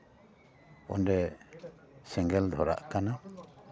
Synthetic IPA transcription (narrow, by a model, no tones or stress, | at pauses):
ɔ̰ndɛ | sɛŋɡɛld̪ʱɔɾa̰ʔkana